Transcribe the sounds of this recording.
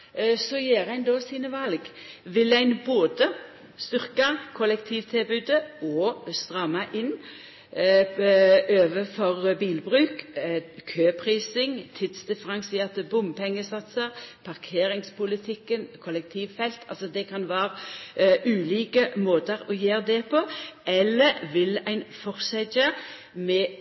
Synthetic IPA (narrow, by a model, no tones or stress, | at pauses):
sɔjeːʁæɪnd̪oːsiːnəʋɑlɡʋɪlæɪnboːd̪ə | st̪ʏʁkɑkʰɔlɛkt̪ʰiːʋt̪ʰɪlbʉːd̪əɔst̪ʁɑmːɑʔɪn | ʔøːʋəfɔʁbiːlbʁʉːkkʰøːpʰʁiːsɪŋt̪ʰɪd̪sd̪ɪfəʁɑŋsəɛʁt̪əbʊmpʰɛŋːəsɑt̪səʁpʰɑʁkʰeːɾɪŋspʊlɪt̪ʰɪkːənkʰɔlɛk̚t̪ʰiːʋfɛlt̪ʰɑ̰lsɔd̪ɛkʰɑnʋæːʁʔʉːliːkəmoːt̪əɾɔjeːʁd̪ɛpʰoɛlːəɾʋɪlæɪnfɔʁsɛd͡ʒə | mɛ